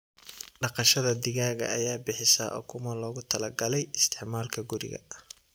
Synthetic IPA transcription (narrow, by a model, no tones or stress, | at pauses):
ɖɑqɑʃɐðɐd̪ɪɣaːɣɐ̰ːjaːbɪħɪsɐ̰ːʔɔ̰ːkʰʊmɐlɔːɣʊt̪ʰɐlɐɡɐlɛjɪst̪ʰɪʕmaːlkʰɐɡʊɾɪ̰ɣɐ̰